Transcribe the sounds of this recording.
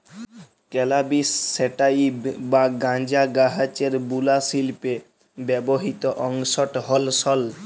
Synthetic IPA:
kɛlabisːeʈaibbaɡãnd͡ʑaɡaɦat͡ɕeɾbulasilpe | bɛboɦit̪oʔɔŋʃoʈɦɔlsɔl

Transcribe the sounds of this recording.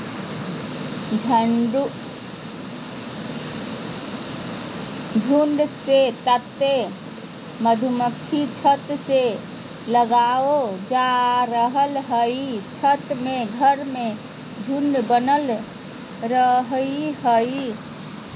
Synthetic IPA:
d͡ʒʱ | d͡ʒʱuɳɖset̪ət̪ːe | məd̪ʱuməkʰit͡ʃʰət̪se | ləɡaod͡ʒaɾəɦəlɦəit͡ʃʰət̪meɡʱəɾme | d͡ʒʱuɳɖbənəl | ɾəɦihəi

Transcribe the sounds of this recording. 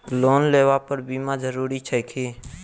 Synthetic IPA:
loːnleːʋapəɾbiːmãd͡ʒəɾuːɾit͡ʃʰəjkʰiː

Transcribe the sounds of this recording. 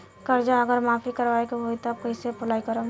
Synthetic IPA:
kəɾd͡ʒaəɡəɾmapʰikəɾʋaekeɦoit̪əb̚kəɦsepʊlaikəɾə

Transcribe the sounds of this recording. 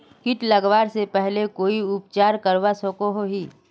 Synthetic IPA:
kɪʈlɐɡʋaːɾsepɛɦlekoːiʊpt͡ʃaːɾkəɾʋasokoɦoɦiː

